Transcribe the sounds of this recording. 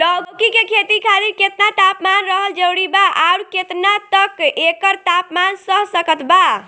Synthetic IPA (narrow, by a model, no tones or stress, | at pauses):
ɖɔɡkikekʰet̪ikʰaliɾket̪nat̪apmanɾəɦəld͡ʒəwɽibaʔauɾket̪nat̪əkekəɾt̪apmansəɦsəkət̪ba